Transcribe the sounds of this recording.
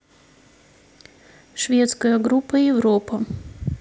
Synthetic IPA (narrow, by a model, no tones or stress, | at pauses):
ʃvʲeɛt̪skɐjɐɡɾupːɐɪvɾɔpɐ